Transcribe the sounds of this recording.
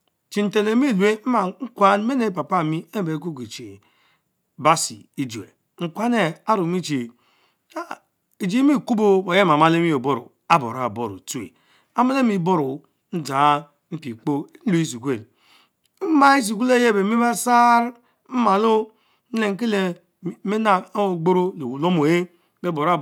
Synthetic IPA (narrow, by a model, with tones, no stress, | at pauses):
t͡ʃi˨n̩˨te˨le˨mi˦˨lu˨e˦m̩˦ma˨ŋ̩˦kʷa˦nme˦ne˨pa˨pa˦˨mi˦e˦˨be˨˦k̬u˦ki˨t͡ʃe˨ | ba˦sḭ˨i˦d͡ʒu˨ḛ˨ | ŋ̩˨kʷa˦ne˨a˦ɾu˨mi˦t͡ʃi˨˦˨ | i˨d͡ʒi˦mi˦˨ku˦bo˦bo˨je˦ma˨ma˦le˦mi˦o˨bo˦ɾṵ˨ | a˦bo̰˨ɾa˨bo˦˨ɾṵ˨tu˦ḛ˨ | a˦ma˦le˦mi˦bo˦ɾu˨ | n̩˦da˨˦ | m̩˦pi˨k͡po˦n̩˦lu˨i˦s̬i˨kʷe˦˨l̩˦ | ma˦i˦s̬i˨ku˦le˦je˦˨be˨mi˦ba˦sa˦ɾ | m̩˦ma˨lo˦ | n̩˦le˨ŋ̩˦k̬i˦le˨ | me˦na˨˦˨ɡ͡bo˦ɾo˦le˨wu˨lo˦mo˨je˦ | be˦bo˨ɾa˦